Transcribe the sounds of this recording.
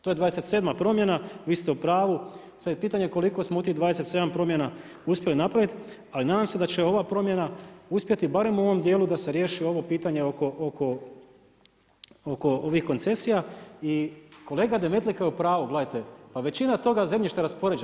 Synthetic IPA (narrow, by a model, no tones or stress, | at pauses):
t̪ojed̪ʋaːd̪eset̪se̞ːd̪mapɾo̞mje̞naʋiːst̪eupɾaːʋu | sad̪epiːt̪aɲeko̞liko̞smout̪iɦd̪ʋaːd̪eset̪se̞d̪ampɾo̞mjena | uspje̞linapɾaʋit̪ | alinaːd̪aːmse̞d̪at͡ɕe̞o̞ʋapɾo̞mje̞nauspje̞t̪ibaɾe̞muoʋo̞md̪je̞ːlud̪ase̞ɾjeːʃio̞ʋo̞piːt̪aɲe̞oko̞ʔoko̞ | oko̞o̞ʋixko̞nt̪se̞sijaiko̞le̞ːɡad̪e̞me̞t̪likajeupɾaːʋuɡledajt̪e̞paʋe̞t͡ɕinat̪o̞ɡaze̞mʎiʃt̪eɾaspo̞ɾed͡ʒ